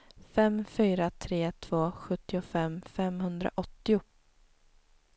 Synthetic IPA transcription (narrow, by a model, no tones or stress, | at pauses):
fɛmːfyːɾat̪ʰɾeːt̪ʰv̥oːɧɵt̪ːɪʊfɛmːfɛmhɵnd̪ɾa̰ʔɔt̪ːɪʊ